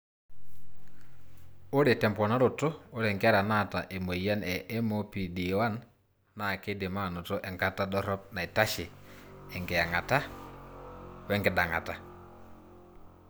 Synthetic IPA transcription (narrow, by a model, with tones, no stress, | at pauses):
o˦ɾe˨tɛ˨mpɔ˨na˦ɾo˨to˦o˦ɾɛ˨ŋkɪ˦a˦ɾa˨na˦˨ta˨ʔe˨mo˨ja˦nɛ˨ʔɛ˦mo˦pi˨di˨wa˦nː | a˨ke˦de˨ma˦˨no˨to˦ʔɛ˨ŋka˦ta˦dɔ˦ɾɔ˦p̚na˨i˨ta˦ʃɪ˨ɛ˨ŋkɪ˨ja˨ŋa˨ta˦ | wɛ˦ŋɡɪ˨da˨ŋa̰˨ta˨